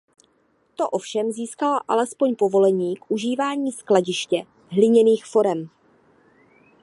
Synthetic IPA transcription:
t̪o̞ʔo̞fʃɛmziːskalaʔa̰lɛspo̞ɲpo̞vo̞lɛɲiːkʔuʒiːvaːɲiːsklaɟɪʃcɛ | ɦlɪɲɛniːxfo̞ɾɛm

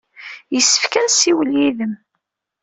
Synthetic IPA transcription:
jəsːə̥fkænsiwəljiðəm

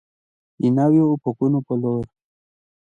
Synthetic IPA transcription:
inawjoːpokunopoloɾ

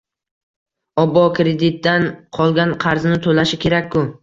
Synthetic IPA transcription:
ɒbɒkʰʲɾed̪ɪt̪̚d̪anqʰɒlˠɡʲanqʰɑɾznɪt̪ʰolaʃɪkʲʰe̞ɾakʲʰːʊ

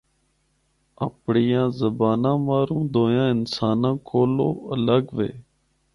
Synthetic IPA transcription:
əpɳijãːzəbaːnãːʋaːɾũːd̪oːjãːɪnsaːnãːkʰoːlo̰ːələɡʋḛː

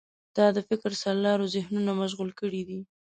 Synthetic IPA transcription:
d̪̥ɑd̪əfɪkɾsaɾlɑɾozɪhnunamaʒɣulkəɽid̪i

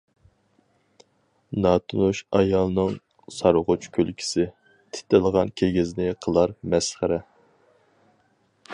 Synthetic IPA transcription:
nɑt̪ʰunuʃɑjɑlˠnɨŋ | sɑɾʊʁʊt͡ʃkʲʰølkʲʰi̥sɪ | t̪ʰɪ̥t̪ɪlˠəʁɑnkʲʰeɡʲɪznɪqʰəlˠɑɾmɛsχəɾɛ

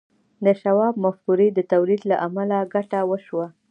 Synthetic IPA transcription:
d̪əʃawɑbmafkuɾid̪ət̪awlid̪laʔamalaɡaʈawəʃwa

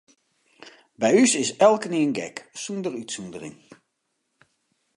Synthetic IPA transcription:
bɛjysɪsɛlˠkəniənɡɛ̰ksundərytsundərɪ̰ŋ

